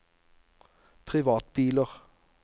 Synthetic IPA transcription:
pʰʁɪʋɑːt̪̚biːləʁ

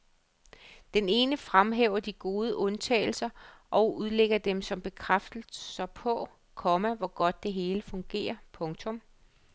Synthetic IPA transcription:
d̥ene̝ːnəfʁamɦeʊɐd̥iɡ̥o̝ːð̞ˠəʔɔ̽nt͡sʰɛ̰ːɪl̩sɐʔɒ̽ʊuð̞ˠleɡ̥ɐd̥emsɒ̽mb̥e̝kʰʁafd̥̩sɑ̈ɪpʰɒ̽ | kʰɒ̽mæʋɒɡ̥ɒ̽d̥ːe̝ɦe̝ːləfɔ̽ŋɡ̥e̝̰ːɐpʰɔ̽ŋt͡sʰɔ̽m

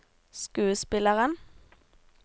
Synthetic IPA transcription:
skʉːəspɪləʁən

